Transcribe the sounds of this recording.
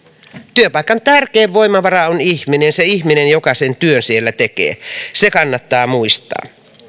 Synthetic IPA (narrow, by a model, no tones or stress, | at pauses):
t̪yøpɑikːˑɑnt̪ærkeːʋːo̞imɑʋɑɾɑoniçminenseiçminenjokɑsent̪yønsielːæt̪ekḛːsekɑnːɑt̪ːɑːmuist̪ɑ̰ː